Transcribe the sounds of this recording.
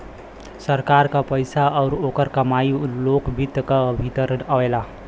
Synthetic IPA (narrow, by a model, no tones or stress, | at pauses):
səɾkaɾkapəjsaɔʊɾokəɾkamailokbʱit̪ːkəbʱit̪əɾənəela